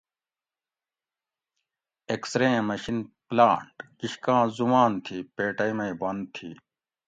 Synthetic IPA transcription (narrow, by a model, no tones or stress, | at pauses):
eksɾẽːmɐɕinplãːɳʈkiɕkãːzumaːnt̪ʰiːpeːʈɐmɐibɐnd̪̚t̪ʰḭː